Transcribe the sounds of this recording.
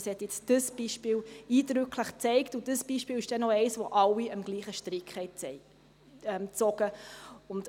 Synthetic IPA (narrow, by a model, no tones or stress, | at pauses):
shɛt̪jɪt͡sd̥əsb̥iːʃpiːliːdɾʏkʰləχt͡sɛɪktud̥əsb̥iːʃpiːlɪʃd̥ɛnɔɛɪsʋoʔɑwiəmɡ̥liːχəʃtɾɪkχhɛɪ | ɛmt͡sɔɡ̥əʊnd